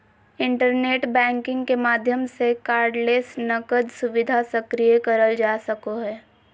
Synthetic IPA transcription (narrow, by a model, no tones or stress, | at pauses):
ɪ̃ɳʈəɾneːʈbɛ̃ːŋkɪ̃ŋɡkemaːd̪ʱjəmsekaːɾɖleːsnɐkəd̪sʊʋɪd̪ʱasəkɾijekɐɾəld͡ʒaːsəkoɦɛː